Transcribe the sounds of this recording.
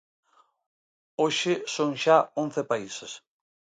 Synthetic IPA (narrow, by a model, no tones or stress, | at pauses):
oʃɪsoŋʃaõn̟θepaises